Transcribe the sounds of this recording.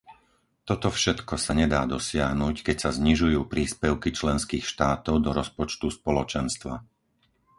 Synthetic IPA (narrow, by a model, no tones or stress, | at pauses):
t̪ɔt̪ɔfʃɛt̪kɔsaɲɛd̪aːd̪ɔsɪaɦnuːckɛcsazɲiʒujuːpɾiːspɛʊkit͡ʃlɛnskiːxʃt̪aːt̪ɔʊd̪ɔɾɔspɔt͡ʃt̪uspɔlɔt͡ʃɛnst̪ʋa